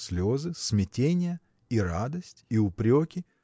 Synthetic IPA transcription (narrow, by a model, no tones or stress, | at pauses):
sʲlʲozɨsmʲɪtʲenʲɪjə | iɾad̪əsʲtʲiʊpɾʲokʲɪ